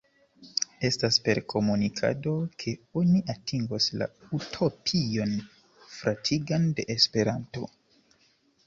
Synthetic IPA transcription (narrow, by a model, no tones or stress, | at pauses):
e̞staspe̞ɾkʰo̞munikʰa̰do̞kʰe̞o̞niʔatʰiŋɡosla̰utʰo̞pʰio̞n | fɾʔatʰiɡande̞ʔespe̞ɾanto̞̰